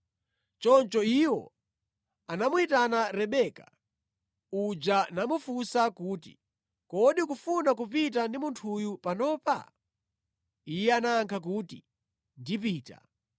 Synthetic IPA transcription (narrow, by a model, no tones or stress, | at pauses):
t͡ʃɔnt͡ʃɔiwɔ̰ | anamuitanaɾɛɓɛka̰ | ud͡ʒanamufusakuːtḭ | kɔɗikufunak̬upit̬andimuntʰujupanɔːpa̰ | ijɛanaːŋkʰak̬uti | ndip̬iːta̰